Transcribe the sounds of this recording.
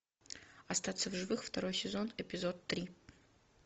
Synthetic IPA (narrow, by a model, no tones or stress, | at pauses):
ɐst̪at̪səvʐɨvɨxft̪ɐɾo̞jsʲɪzo̞nɪpʲɪzot̪ːɾʲi